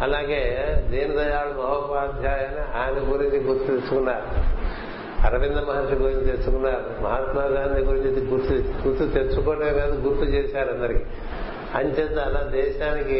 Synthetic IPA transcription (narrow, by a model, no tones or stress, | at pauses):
ɐlaːɡeːd̪eːnit̪oːjaːɭːɐmɐʋɐpaːd̪ʱjaːjɐniaːjɐnɐɡuɾiɲt͡ʃiɡuɾt̪ut̪et͡ʃːukunːaːɾu | ɐɾɐʋind̪ɐmɐɦaːɾʂiɡuɾiɲt͡ʃit̪e̞ɾt͡ʃːukunːaːɾumɐɦaːt̪maːɡaːnd̪iɡuɾiɲt͡ʃiɡuɾt̪uɡuɾt̪ːut̪eɾt͡ʃukoːʈeːɡaːd̪uɡuɾut̪ut͡ʃɛːsaːɾɐnd̪ɐɾiki | ɐɲt͡ʃend̪aːlaːd̪ɛːʃaːniki